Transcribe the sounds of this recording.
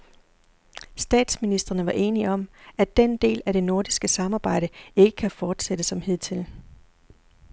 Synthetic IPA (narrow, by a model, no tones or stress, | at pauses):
sd̥ɛ̰ːd̥sminisd̥ʁɐnəʋɑ̈ʔe̝ːniɒ̽mæd̥end̥e̝̰ːlæɾ̥e̝no̝ɐd̥isɡ̥əsɑ̈mɑ̈ːb̥ɑ̈ɪ̰ɾ̥əe̝ɡ̥ə̥kʰæfɒːd̥sed̥əsɒ̽mhið̰ˠt͡sʰe̝l